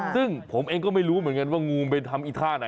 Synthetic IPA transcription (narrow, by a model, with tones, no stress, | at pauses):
sɯ˥˩ŋpʰo˩˦mʔeː˧ŋkɔː˥˩ma˥˩jɾuː˦˥mɯ˩˦ənŋka˧nwaː˥˩ŋuː˧mpe˧nt̪ʰa˧mʔi˨˧˩t̪ʰaː˥˩na˨˦